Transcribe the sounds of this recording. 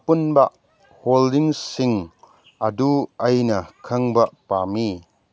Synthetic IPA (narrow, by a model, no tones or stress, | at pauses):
pʊnbɐʔ | holdɪŋsɪŋ | ʔɐduʔɐjnɐkʰɐŋbɐʔpaːmiː